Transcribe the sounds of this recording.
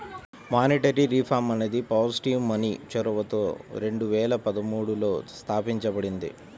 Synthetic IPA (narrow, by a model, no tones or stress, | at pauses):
maːniʈɐɾiɾiːpʰaːmɐned̪ipaːsiʈiːʋmɐnit͡ʃɔɾuʋɐt̪oːɾe̞ɳɖuʋɛːlɐpɐd̪ɐmuːɽulo̞ːst̪ʰaːpiɲt͡ʃɐbɐɽind̪ḭ